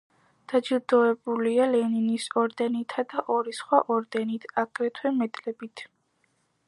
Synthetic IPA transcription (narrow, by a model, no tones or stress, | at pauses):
d̪̥ad͡ʒiɾd̪ɔɛbulialɛninisɔɾd̪ɛnit̪ʰad̪aʔɔɾisχwaʔɔɾd̪ɛnit̪ʰaɡ̥ɾɛt̪ʰwɛmɛt̪ʼlɛbit̪ʰ